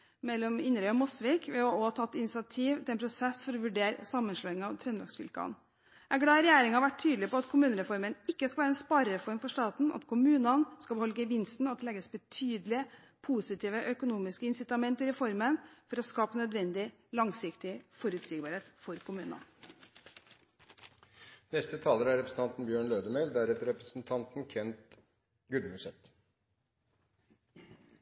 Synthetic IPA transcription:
mɛlːɔmɪnɾøɔmɔsʋiːkʋɛɔɔt̪ʰɑt̪ɪnɪsɑt̪ʰiːʋt̪ɪlɛnpʰɾʊsɛsːfɔɾɔʋʉɖeːɾsɑmːənʂløːɪŋɑʋt̪ʰɾɛnlɑ̰ɡksfɪ̰lkɑ̰n | æɡɽɑːɾɛjæːɾɪŋɑhɑɾʋæʈtʰyːd̪lɪpɔɑt̪kʰʊmʉːnəɾɛfɔɾmənɪkːəskɑʋæːɾɛnspɑɾəɾəfɔɾmfɔʂt̪ɑːt̪n̩ʔɑ̰t̪kʰʊmʉːnənskɑbhɔlɡəʋɪnst̪n̩ɑt̪d̪ɛlɛːɡəsbɛt̪ʰyːd̪lɪə | pʰuːsɪt̪ʰiːʋəʔœkʊnuːmɪskəɪnsɪt̪ɑmɛnt̪əɾɛfɔɾmənfɔɾɔskɑːpənœd̪ʋɛnd̪ɪ | lɑŋsɪkt̪ɪfɔɾʉt̪siːɡbɑːɾheːt̪fɔɾkʰʊmʉːnə̰n | nɛst̪ət̪ʰɑːləɾæɾɛpɾəsn̩t̪ɑnt̪n̩bjøːɳløːd̪əmɛld̪æɾɛt̪əɾɛpɾəsn̩t̪ʰɑnt̪n̩kʰɛnt̪ | ɡʉlmʉsɛt̪

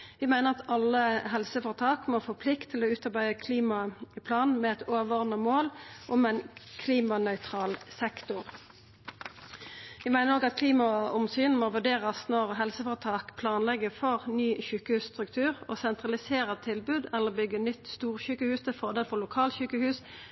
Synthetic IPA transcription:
ʋɪmæɪnəʁɑt̪ɑlːəɦɛlsəfɔʁt̪ʰɑːkmoːfoːpʰlɪkt̪ʰːɪloːʉːt̪ɑʁbæɪəkʰliːmɑpʰlɑːnmɛɛt̪oːʋəʁnəmoːlʔʊmɛɪnkʰliːmɑnœʏt̪ʰʁɑːlsɛkt̪ʊʁ | ʋɪmæɪnəɾoːɡɑt̪̚kʰliːmɑʊmsyːnmoːʋʉɖ̪eːʁɑsnɔʁɦɛlsəfɔʁt̪ʰɑːkpʰlɑːnlɛɡəfɔʁnyːçʉːkəhʉːsst̪ʁʉkt̪ʰʉːʁoːsɛnt̪ʁɑlɪseːʁət̪ʰɪlbʉːd̪ɛlːəʁbʏɡənʏt̪ːst̪uːʁçʉːkəhʉːst̪ʰɪlfɔʁd̪eːlfɔlʊkʰɑːlçʉːkəhʉːs

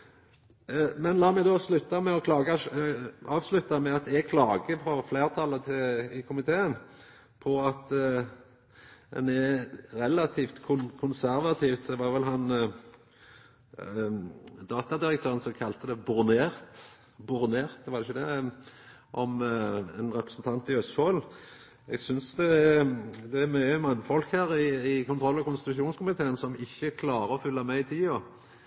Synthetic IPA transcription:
mɛnlɑːmɛɡd̪ɔslʉt̪ːɑmɛɔkʰlɑːɡɑ | ɑːʋslʉt̪ːɑmɛɑt̪ɛɡ̚kʰlɑːɡəpʰɔfleːʁt̪ʰɑlːət̪ʰɪlɪkʰʊmɪt̪ʰeːən | pʰɔɑt̪ | d̪ɛ̰nɛɾɾɛlɑt̪ʰiːft̪kʰʊnkʰʊnsæɾʋɑt̪ʰiːft̪d̪ɛʋɑʁʋɛlɦɑn | d̪ɑːt̪ɑd̪ɪɾək̚t̪ʰøːɾənsɔkʰɑlt̪əd̪ɛbʊɾneːɾt̪ | bʊɾneːɾt̪ʋɑɾɪçəd̪ɛ | ʔɔmɛnɾɛpɾəsn̩t̪ʰɑnt̪ɪœst̪foːl | ɛɡsʏnsd̪ɛ | d̪ɛæmœʏəmɑnːfɔlkhæːɾɪɪkʰʊnt̪ɾɔlːɑkʊnst̪ɪt̪ʉʃuːnskʊmɪt̪ʰeːənsɔmɪçːəkʰlɑːɾəɔfʏlːɑmɛɪt̪ʰiːɔ

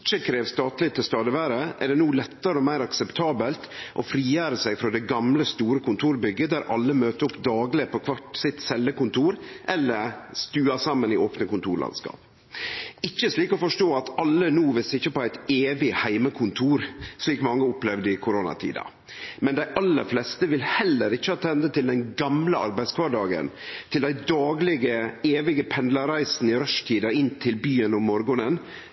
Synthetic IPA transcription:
t͡ʃːəkʰɾeːʋst̪ɑːt̪lɪt̪ʰɪlst̪ɑːd̪əʋæːɾəʔɛ̰ɖɛnuːlɛt̪ːəɾəɔmæɪɾɑksɛpt̪ʰɑːbəlt̪ʔɔfɾiːjæːɾəsæɡfɾɔd̪ɛɡɑmləst̪uːɾəkʰʊnt̪ʰuːɾbʏɡːəd̪æɾʔɑlːəmøːt̪əɾʊpd̪ɑːɡlɪpʰɔkʰʋɑʈsɪt̪sɛlːəkʊnt̪ʰuːɾʔɛlːəɾst̪ʉːɑsɑmːənɪʔoːpnəkʊnt̪ʰuːɭʔɑ̰nskɑ̰ːp | ɪt͡ʃːəʂliːkɔfɔʂʈoːɑt̪ɑlːənuːʋɪsɪçːəpɔæɪt̪eːʋɪhæɪməkʰʊnt̪ʰuːɾʂiːkmɑŋːəʊplɛʋd̪əɪkʰʊɾoːnɑ̰t̪ʰḭːd̪ɑ̰ | mɛnd̪æɪʔɑlːə̰ɾflɛst̪əʋɪlhɛlːəɾɪçːəhɑːt̪ʰɛnd̪ət̪ʰɪld̪ɛnɡɑmləɑ̰ɾbæɪskʰʋɑɖɑːɡə̰nt̪ʰɪld̪æɪd̪ɑːɡlɪɡəeːʋɪɡəpʰɛnd̪lɑɾæɪsn̩ɪɾœʂt̪ʰiːd̪ɑɪnt̪ʰɪlbyːənɔmːɔɾɡɔnən

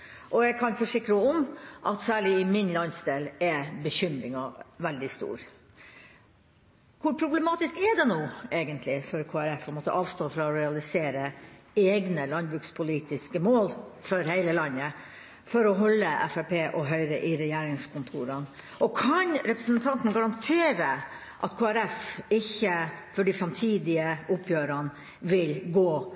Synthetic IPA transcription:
ʔɔɛɡkʰɑnfɔʂɪkːɾəɔmʔɑt̪sæːɭɪɪmɪnlɑnsd̪eːlɛbəçʏmɾɪŋɑʋɛld̪ɪst̪ṵːɾ | kʰʊɾpʰɾʊblɛmɑːt̪ɪskɛɖ̪ɛnoːeːɡənt̪ʰlɪfɔɾkʰoːæɾɛfmɔt̪ːə̰ʔɑːʋst̪oːfɾɑɔɾɛɑlɪseːɾə | eːɡnəlɑnbɾʉːkspʰʊliːt̪ɪskəmoːlfɔɾhæɪləlɑnːə | fɔɾɔɦɔlːəʔɛ̰fæpʰeːʔɔɦœʏɾəʔɪɾɛjeːɾɪŋskʰʊnt̪ʰuːɾən | ʔɔkʰɑnɾɛpɾəsənt̪ʰɑnt̪n̩ɡɑɾɑnt̪ʰeːɾə | ʔɑt̪kʰoːæɾɛfɪçːəfɔɖifɾɑmt̪ʰiːd̪ɪəʔʊpʰjøːɾən | ʋɪlɡoː

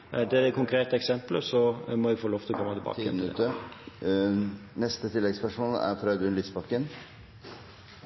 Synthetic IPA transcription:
d̪ɛæd̪ɛkʰʊŋkʰɾeːt̪əɛksɛmpləsɔmɔɪfoːloːft̪ʰɪlkʰɔmːɑt̪ʰɪbɑ̰ːt̪ːmnʉt̪ːəɾ | nɛst̪ət̪ʰɪlːɛɡspæʂuːnæ̰ɾfɾɑd̪ʉnlispɑkːən

